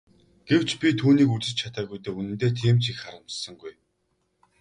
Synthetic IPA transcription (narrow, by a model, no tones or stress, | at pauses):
ɡ̥ew̥t͡ɕpʲit̪ʰuːniːkut͡sɘ̆t͡ɕt͡ɕʰat̪aːɣujt̪eːunɘ̆nt̪eːt̪ʰiːmt͡ɕixχaɾə̆m̆sə̆ŋɡuj